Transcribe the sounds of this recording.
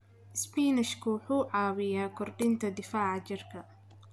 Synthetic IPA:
ʔɪspiːnɪʃkʰʊwħuːʕɑːwɪjaːkʰɔrɖɪnt̪ʰɐd̪ɪfaːʕɑt͡ʃɪrkʰɐ

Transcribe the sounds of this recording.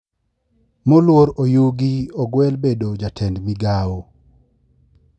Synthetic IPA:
molwoɾojuɡiɔɡwɛlbedod͡ʒatʰɛndmiɡawo

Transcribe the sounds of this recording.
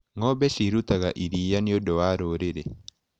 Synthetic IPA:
ŋɔbesiɾut̪aɡa̰ʔiɾijaniodɔaɾoɾedḛ

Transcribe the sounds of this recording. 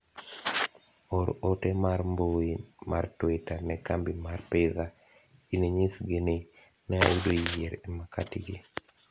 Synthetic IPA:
ɔɾotɛmarmbowemartwetanɛkambimarpeða | ineɲisɡene | na̰udojɛɾimaka̰tɪɡe

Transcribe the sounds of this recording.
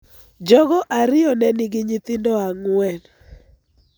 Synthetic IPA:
d͡ʒɔɡɔʔaɾɪɔnɛnɪɡɪɲit̪ɪndɔaŋwɛn

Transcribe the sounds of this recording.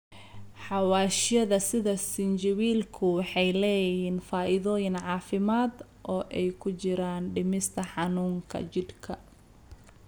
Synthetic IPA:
ħɑwaːʃjɐðɐsɪðɐsɪnd͡ʒɐwiːlkʰʊwɑħɑjlɛːjɪhiːnfaːʔɪðɔːjɪnʕɑːfɪmaːd̪ | ʔɔːʔɛjkʰʊt͡ʃɪɾaːnɖɪmɪst̪ʰɐħɑnuːŋkʰɐ̰t͡ʃɪd̪kʰɐ

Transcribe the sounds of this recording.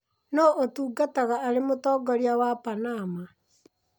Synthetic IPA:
nɔʔotuːɡataɣaːɾemotɔːɡɔɾiawapanama

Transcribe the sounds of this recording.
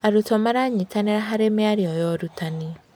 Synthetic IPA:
aɾutɔmaɾaɲitaneɾaɦaɾemeaɾjɔjɔɾutani

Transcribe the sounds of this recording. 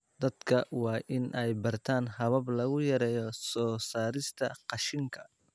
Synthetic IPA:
d̪ɐd̪kʰɐwɑːʔɪnʔɛjbɐrt̪ʰaːnɦɐβɐblɐɣʊjɐɾɛːjɔsɔːsaːɾɪst̪ʰɐqɑʃɪŋkʰɐ

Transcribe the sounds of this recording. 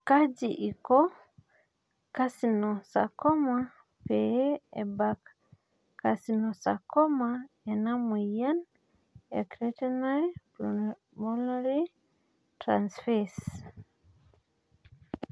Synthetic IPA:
kad͡ʒiʔikɔ | kasinɔsa̰kɔma | peeḛbak | kːasinɔsakɔma | ɛnamejan | ḛkɾetɛnajpl | mɔlaɾi | tɾansfes

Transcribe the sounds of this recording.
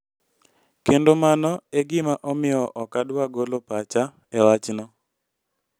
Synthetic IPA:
kendomanɔeɡɪmaʔɔmɪjɔʔɔkadwaɡolopat͡ʃa | ɛwat͡ʃnɔ

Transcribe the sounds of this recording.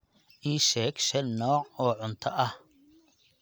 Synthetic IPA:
ʔiːʃɛːɡʃɛlnɔːʕɔːʕʊnt̪ʰɐʔɐh

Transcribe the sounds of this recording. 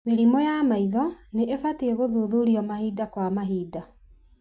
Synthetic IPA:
meɾimɔjamaiðɔneʔefateeɣoðuːðuɾiɔmahiːdakwamaɦiːda

